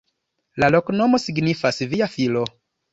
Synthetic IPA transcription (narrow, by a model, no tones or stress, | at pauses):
lalo̞kno̞mo̞siɡnifasviafilo̞